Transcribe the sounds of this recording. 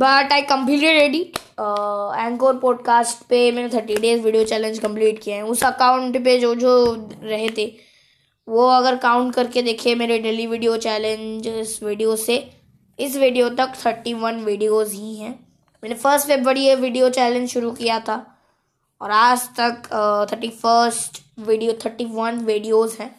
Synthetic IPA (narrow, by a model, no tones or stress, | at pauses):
bɐʈaːikːɐ̃mpiːʈeɾeːɖi | ɛ̃ːŋkoːɾpɔːɖ̚kaːsʈpemɛ̃ːnet̪ʰəɾʈiɖeːzʋiːɖijot͡ʃɛːlẽnd͡ʒkɐ̃mpliːʈkijaɦɛ̃ʊsɐkaːʊ̃ɳʈped͡ʒoːd͡ʒoːɾɐɦet̪ʰeː | ʋoɐɡəɾkaːʊ̃ɳʈkɐɾked̪eːkʰiemeːɾeɖeːliʋiɖijot͡ʃɛːlẽɲd͡ʒɪsʋiːɖijose | ɪs̬ʋiːɖijot̪ɐkt̪ʰəɾʈiʋɐnʋiːɖijoːzɦiɦɛ̃ː | mɛːnefəɾsʈʋebʋɐɽieʋiːɖijot͡ʃɛːlɪ̃nd͡ʒʃʊɾukijat̪ʰa | ɔːɾaːd͡ʒt̪ɐkt̪ʰəɾʈifəɾsʈ | ʋiːɖijot̪ʰəɾʈiʋɐnʋiːɖijoːzɦɛ̃ː